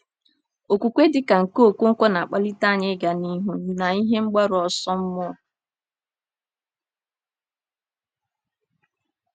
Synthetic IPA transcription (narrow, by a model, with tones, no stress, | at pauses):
o˨kʷu˨kʷe˦dɪ˦ka˨ŋ̩˨ko˦˨ku˦ŋ̩˦kʷɔ˦na˨a˨k͡pa˦li˦ta˦˨ɲɪ˦ɡa˨ni˦ɦu˦na˨i˦ɦe˦ŋ͡m̩˦ɡ͡ba˦ɾɔ˨sɔ˦m̩˦mʊ˦ɔ˨